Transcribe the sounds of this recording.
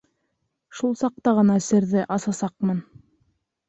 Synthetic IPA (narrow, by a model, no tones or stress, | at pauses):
ʃulˠsɑq̚t̪ɑʁɤ̆nɑsɘ̆ɾðɘʔɑsɑsɑqmɤn